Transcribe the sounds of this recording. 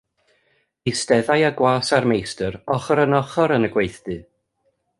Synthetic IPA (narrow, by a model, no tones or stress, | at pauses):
ɪstɛðajaɡwaːsarmejstəɾɔχɔɾənɔχɔɾənəɡwejθd̥ɨ